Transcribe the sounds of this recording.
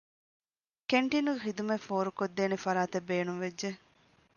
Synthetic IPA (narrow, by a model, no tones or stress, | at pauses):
keɳʈinuxid̪umefoːɾukod̪ːeːnefɐɾaːt̪ebːeːnuŋʋed͡ʒʒe